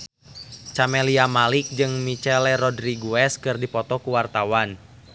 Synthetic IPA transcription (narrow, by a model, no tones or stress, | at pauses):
t͡ʃamɛliamalik̚d͡ʒɨŋmit͡ʃɛlɛɾɔdɾiɡuɛskɨrdipɔt̪ɔkuwart̪awan